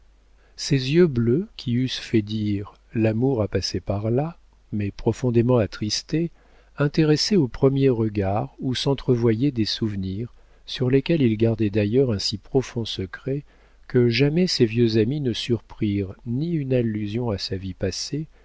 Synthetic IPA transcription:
sezjøbløkʲʰiysfɛd̪iʁ | lamuʁapasepaʁla | mɛpχɔfɔ̃d̪emɑ̃at̪χist̪e | ɛ̃t̪eʁɛsɛopχəmjeʁəɡaʁusɑ̃t̪χəvwajɛd̪esuvniʁ | syʁlekʲɛlilɡaʁd̪ɛd̪ajœʁɛ̃sipχɔfɔ̃səkχɛ | kəʒamɛsevjøzaminəsyʁpχiʁniynalːyzjɔ̃asavipase

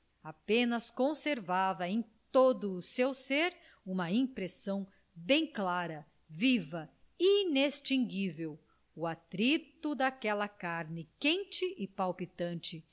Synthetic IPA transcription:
apẽnɐskõseɾvavɐẽj̃t̪od̪ʊːsewseɾ | ũmɐĩpɾesɐ̃w̃ | bẽj̃klaɾɐ | vivɐ | inest͡ʃĩŋɡivew | uat̪ɾit̪ʊd̪akɛlɐkaɾnɪkẽnt͡ʃɪʔɪpawpit̪ɐ̃nt͡ʃɪ

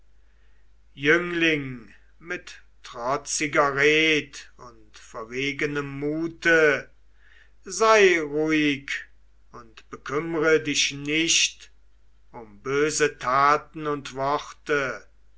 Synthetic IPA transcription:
jʏŋlɪŋ | mɪt | tʁ̥ɔt͡sɪɡɐʁeːtʊntfɛɐveːɡənəmːuːtə | zaɪʁuɪk | ʊntb̥əkʰʏməʁədɪʃnɪʃt | ʊmbøːzətʰaːtn̩ʊntv̥ɔχtə

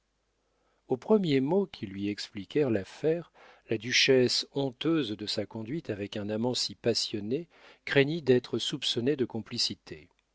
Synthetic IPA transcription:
opχəmjemokʲʰilɥiɛksplikʲɛʁlafɛʁ | lad̪yʃɛsɔ̃t̪øzd̪əsakɔ̃d̪ɥit̪avɛkɛ̃namɑ̃sipasjɔne | kχeɲid̪ɛt̪χəsupsɔned̪əkɔ̃plisit̪ʰe

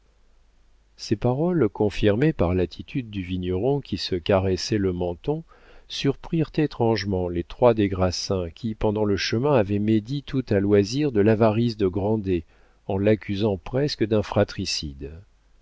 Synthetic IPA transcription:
sepaʁɔlkɔ̃fiʁmepaʁlat̪ʰit̪ʰyd̪̚ːyviɲjɔʁɔ̃kʲisəkaʁɛsɛləmɑ̃t̪ɔ̃ | syʁpχiʁt̪et̪χɑ̃ʒmɑ̃let̪χwad̪eɡʁasɛ̃kʲʰipɑ̃d̪ɑ̃ləʃəmɛ̃avɛmed̪it̪ut̪alwaziʁd̪əlavaʁizd̪əɡʁɑ̃d̪e | ɑ̃lakʲʰyzɑ̃pχɛskəd̪ɛ̃fχat̪χisḭd̪

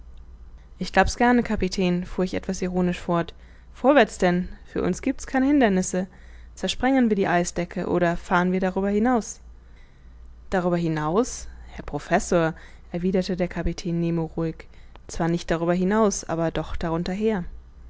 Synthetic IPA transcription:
ʔɪçɡ̥laʊpsɡ̥ɛɐnəkʰapitʰɛːnfuːɐɪçʔɛ̰tv̥asiʁoːnɪʃfɔɐt | foːɐvɛɐt͡sd̥ɛnfyːɐʔʊ̰nsɡ̥iːp̚tskʰaɪnəhɪndɐnɪsə | t͡sɛɐʃpʁ̥ɛŋənviːɐdiːʔaɪsd̥ɛkʰə̰ʔo̰ːɾɐfaːʁənviːɐɾaʁ̞yːbɐhɪnaʊs | d̥aʁ̞yːbɐɦɪnaʊshɛɐpʁ̥ofɛsoːɐ | ʔɛɐviːdɐtədeːɐkʰapitʰɛːnːeːmoʁuɪkt͡sv̥aːɐnɪçt̚d̥aʁ̞yːbɐɦɪnaʊsʔa̰ːbɐdɔχd̥aʁʊntɐɦeːɐ

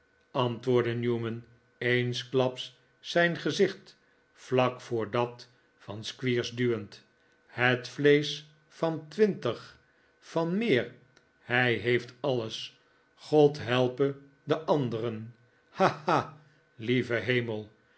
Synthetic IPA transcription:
ɑntʋʊːɹdənjuːmən | ejnsklɑpsː | ɛjnχəzɪχt | flɑkfʊːɹdɑt | fɑnskʋiːɹzdyənt | hətflejs | fɑntʋɪntəχ | fɑnmɪːɹ | hɛjɦejftɑləs | χɔtɦɛlˠpə | dəʔɑndərən | hahaː | livəɦejməlˠ

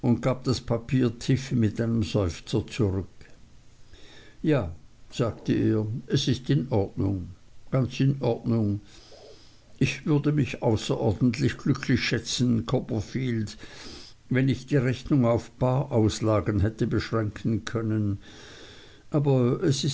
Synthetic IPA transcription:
ʔʊnt̚ɡ̥aːb̚d̥aspʰapʰiːɐtʰɪfəmɪtʔaɪnəmzɔʏft͡sɐt͡suʁʏk | jaːz̥aːɡtəʔeːɐʔɛsɪstɪnʔɔɐdnʊ̰ŋɡ̥ant͡sɪnɔɐdnʊŋ | ʔɪçv̥ʏɐdəmɪçaʊsɐʔɔɐdn̩tʰlɪçɡ̥lʏkʰlɪçʃɛt͡sn̩kʰɔpɐfiːld | vɛnɪçd̥iːʁɛçnʊŋaʊfb̥aːʔaʊslaːɡənɦɛtəbəʃʁ̥ɛŋkʰn̩kʰœnən | ʔaːbɐɛsɪ

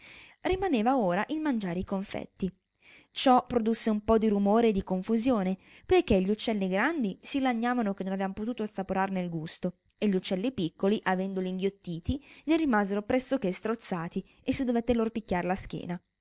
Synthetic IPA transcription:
rimaneːvaoːɾaʔilmand͡ʒaːɾeikoɱfɛ̰t̪ːi | t͡ʃɔpːɾod̪usːeumpɔd̪iɾumoːɾeːd̪ikoɱfuzjoːne | pojk̟eʎːut͡ʃːɛlːiɡɾand̪isilaɲːaːvanok̟enːonavevamopot̪uːt̪osapoɾarnelɡust̪o | eʎːut͡ʃːɛlːipikːoliʔavɛnd̪oliːŋɡjot̪ːiːt̪inerimaːzeɾopɾɛsːokest̪ɾot̪sːaːt̪i | esːid̪ovet̪ːeloɾpikʲːaɾelask̟jḛːna

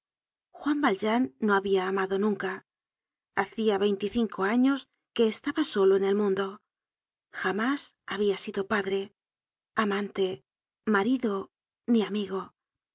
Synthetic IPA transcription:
xwambalʒanːoaβiaːmaðonũŋka | aθiaβe̞jnt̪iθiŋkʰoaɲo̞s | ke̞ːst̪aβaso̞loene̞lmũnd̪o̞ | xamasaβiasiðo̞paðɾe̞ | amãnt̪e̞ | maɾiðo | niamiɣo̞

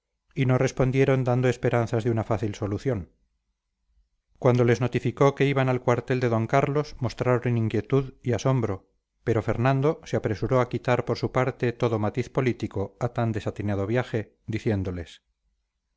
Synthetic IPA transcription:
ino̞re̞spo̞nd̪jeɾo̞nd̪and̪o̞e̞spe̞ɾanθazðeunafaθilso̞luθjo̞n | kwand̪o̞le̞zno̞t̪ifiko̞ke̞iβanalkwaɾt̪e̞ld̪e̞ðo̞ŋkaɾlo̞smo̞st̪ɾaɾoneniŋkje̞t̪uðiaso̞mbɾo̞ | pe̞ɾo̞fe̞ɾnãnd̪o̞seapɾe̞suɾo̞akit̪aɾpo̞ɾsupaɾt̪e̞t̪o̞ðo̞mat̪iθpo̞lit̪iko̞at̪and̪e̞sat̪inað̞o̞βjaxe̞ | d̪iθje̞nd̪o̞le̞s

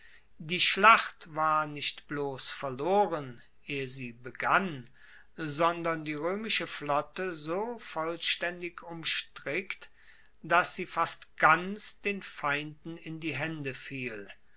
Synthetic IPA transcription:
diːʃlaχtv̥aːɐnɪʃtb̥loːsfɛɐloːʁən | eːəziːbəɡan | zɔndɐndiːʁøːmɪʃəflɔtəzoːfɔlʃtɛndɪkʰʊmʃtʁ̥ɪkt | d̥asz̥iːfastɡ̥ant͡sd̥eːnfaɪ̃ndn̩ɪndiːɦɛndəfiːl

